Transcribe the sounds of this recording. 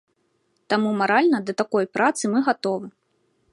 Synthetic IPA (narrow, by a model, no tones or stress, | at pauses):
t̪amumaɾalʲnɐd̪ɐt̪akɔjpɾʔat̪sɨmɨɣat̪ɔvɨ